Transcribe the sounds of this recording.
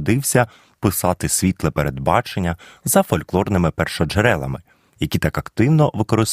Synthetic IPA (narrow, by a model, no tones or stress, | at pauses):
d̪ɪwsʲɐ | pɪsɑt̪ɪsʲʋʲit̪lˠɛpeɾed̪bɑt͡ʃenʲːɐzɐfɔlʲklˠɔrnɪmɪpɛrʃɔd͡ʒeɾɛlˠɐ̰mɪ | jɐkʲit̪ɑkɐkt̪ɪwnɔʋɪkɔɾɪs